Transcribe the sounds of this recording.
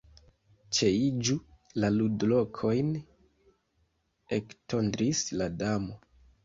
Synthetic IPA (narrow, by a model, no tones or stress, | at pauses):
t͡ʃe̞id͡ʒulaludlo̞kʰo̞jn | ektʰo̞ndɾisladamo̞